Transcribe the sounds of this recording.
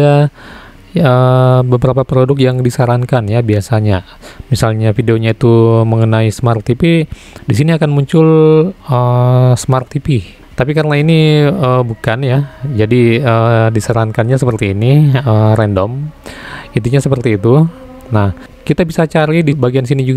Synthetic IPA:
a | əbəbəɾapapɾodʊkjaŋdisaɾankanjabiasaɲa | misalɲafideoɲait̪uməŋənaismart̪ːipi | dis̬iniakanmuɲt͡ʃʊləsmart̪ːipi | t̪apikaɾənainiəbukanjad͡ʒadiədisaɾankanɲas̬əpərt̪iːniəɾɛndɔm | it̪̬iɲasəpərt̪iːt̪u | nah | kit̪abisat͡ʃaɾidibaɡians̬inid͡ʒuɡ

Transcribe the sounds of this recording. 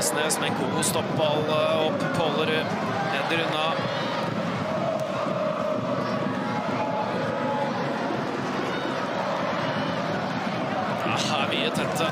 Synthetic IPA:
sneːsmɛkʰuːkʊst̪ɔpːləɔpːpʰɔlːəɾ | neːd̪əɾʉnːɑ | hæːʋiət̪ʰɛt̪ʰːə

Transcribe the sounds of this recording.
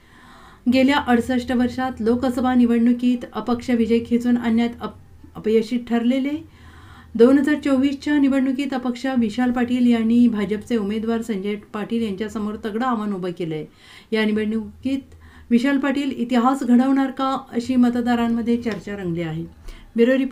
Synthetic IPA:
ɡeljaʔəɽsəʂʈəʋəɾʂat̪lokəsəbʱaniʋəɽɳːukiːt̪əpəkʂəʋid͡ʑəjkʰet͡suːnanjat̪ | əpjəɕiːʈʰəɾlele | d̪onɦəd͡zaɾt͡səwʋiːst͡ɕjaniʋəɽɳukiːt̪əpəkʂəʋiɕalpaʈiːljaɳːiːbʱad͡ʑəpt͡seumed̪ʋaɾsəɲd͡ʑeʈpaʈiːljaɲt͡ɕjasəmoɾt̪əɡɽəaʋanubəkeləj | janiʋəɽɳukiːt̪ | ʋiɕəlpaʈiːlit̪iɦasɡʱəɽəʋɳaɾkaəɕiːmət̪d̪aɾamːəd̪ʱːjet͡ɕəɾt͡ɕaɾəŋɡleaɦe | beɾoɾi

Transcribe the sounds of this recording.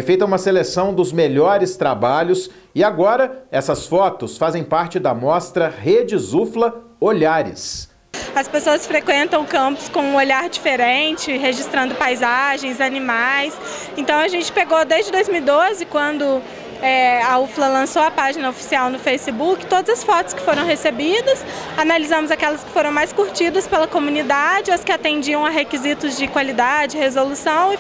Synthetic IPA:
jfejt̪ɐũmɐselesɐ̃w̃d̪ʊzmeʎɔɾɪst̪ɾabaʎʊs | ɪaɡɔɾɐɛsɐsfɔt̪ʊsfazẽj̃paɾt͡ʃɪd̪ɐmɔst̪ɾɐhed͡ʒɪzuflɐoʎaɾɪ̰s | ɐspesoɐsfɾekwẽnt̪ɐ̃w̃kɐ̃mpʊ̥skõũoʎaɾd͡ʒifeɾẽt͡ʃɪɦeʒist̪ɾɐ̃nd̪ʊpajzaʒẽj̃zɐnimajs | ẽnt̪ɐ̃w̃ɐʒẽnt͡ʃɪ̥peɡod̪ezd͡ʒɪd̪ojzmiwid̪ozɪkwɐ̃nd̪ʊ | ɛauflɐlɐ̃soɐpaʒinɐofi̥siawnʊfejsɪbukɪ̥t̪od̪ɐzɐsfɔt̪ʊskɪ̥foɾɐ̃w̃ɦesebid̪ɐs | analizɐ̃mʊzakɛlɐskɪ̥foɾɐ̃w̃majskuɾt͡ʃid̪ɐspelɐkomũnid̪ad͡ʒɪɐskɪat̪ẽnd͡ʒiɐ̃w̃ɐɦekizit̪ʊzd͡ʒɪkwalid̪ad͡ʒɪɪhezolusɐ̃w̃

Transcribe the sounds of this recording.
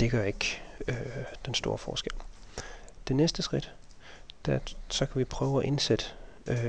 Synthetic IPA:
d̥e̝ɡ̥ɶɐe̝ɡ̥ød̥ensd̥o̝ːɐfɒ̰ːsɡ̥el̰ | d̥e̝nesd̥əsɡ̥ʁid̥ | d̥æsɒ̽kʰæʋipʰʁœːʊæʔe̝nsed̥ə

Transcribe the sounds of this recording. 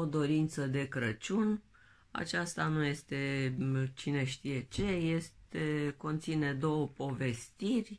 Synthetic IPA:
od̪o̞ɾint̪səd̪e̞kɾət͡ʃun | a̰t͡ʃast̪anuje̞st̪e̞t͡ʃine̞ʃt̪ije̞t͡ʃe̞je̞stt̪e̞ko̞nt̪sine̞d̪o̞wəpo̞ve̞st̪irʲ

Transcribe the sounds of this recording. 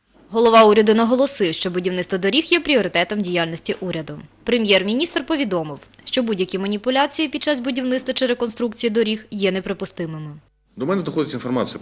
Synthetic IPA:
ɦɔlˠɔʋɑuɾʲɐd̪ʊnɐɦɔlˠɔsɪwʃt͡ʃɔbʊdʲiwnɪt̪t̪ʋɐd̪ɔɾʲixjɛpɾʲiɔɾɪt̪ɛt̪ɔmdʲijalʲnʲɔsʲtʲiʔuɾʲɐd̪ʊpɾemʲjɛrmʲinʲist̪rpɔʋʲid̪ɔmɪwʃt͡ʃɔbudʲjɐkʲimɐnʲipʊlʲat͡sʲijipʲid̪t͡ʃazbʊdʲiwnɪt̪st̪ʋɐt͡ʃɪɾekɔnst̪ɾuk̚t͡sʲijid̪ɔɾʲixjɛnepɾepʊst̪ɪmɪmɪ | d̪ɔmɛnɛd̪ɔxɔd̪ʲɪtʲinfɔrmɑt͡sʲɪj

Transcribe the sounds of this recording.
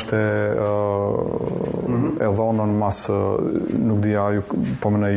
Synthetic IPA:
ʃt̪ɛ | ɛðɔnənmas | nukd̪iajupɔmɛnɛj

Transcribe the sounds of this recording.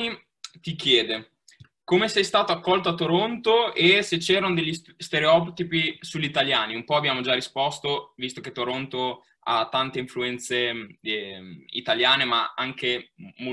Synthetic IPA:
i | t̪ikjɛːd̪e | komesɛjst̪aːt̪oakːɔlt̪oat̪ːoɾont̪oeset͡ʃɛːɾanod̪eʎːi | st̪eɾeɔːpt̪ipisuʎːit̪aljaːniumpɔabːjaːmod͡ʒarispɔst̪ovist̪oket̪ːoɾont̪o | a̰t̪ːant̪eiɱfluɛnt̪se | ḭt̪aljaːnemaaŋkemo

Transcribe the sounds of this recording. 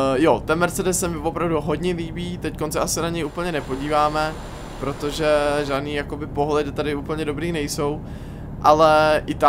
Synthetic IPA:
jot̪ɛnmɛɾt͡sɛdɛsːɛmɪvo̞pɾavduɦodɲɛliːbiːt̪ɛckonsɛʔasɛnaɲɛjuːpl̩ɲɛnɛpo̞ɟiːvaːmɛ | pɾo̞t̪o̞ʒɛʒaːdniːjako̞bɪpo̞ɦlɛdɪt̪adɪuːpl̩ɲɛdo̞bɾiːnɛjso̞w | ʔalɛʔɪt̪a

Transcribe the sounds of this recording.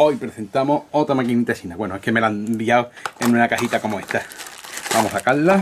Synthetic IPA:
o̞jpɾeθe̞nt̪amoot̪ɾamakinit̪asinawe̞noehkeme̞land̪iawenũnakahit̪ako̞moe̞ht̪abamosakalːa

